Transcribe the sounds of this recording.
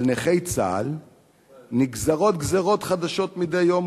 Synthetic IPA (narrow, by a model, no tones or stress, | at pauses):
lneχejt͡sa̰l | niɡzaʁo̞t̪̚ɡzeʁo̞t̪χad̪aʃo̞t̪mid̪ejːo̞m